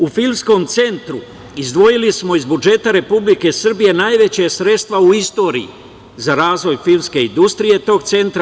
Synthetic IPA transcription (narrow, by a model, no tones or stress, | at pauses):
ufilmsko̞mt̪se̞nt̪ɾu | izd̪ʋo̞jilismo̞izbud͡ʒe̞t̪aɾe̞publike̞sr̩bije̞naːjʋe̞t͡ɕesɾe̞t̪st̪ʋauist̪o̞ːɾḭḭ | zaɾaːzʋo̞jfilmske̞ind̪ust̪ɾije̞t̪o̞ɡ̚t̪se̞nt̪ɾa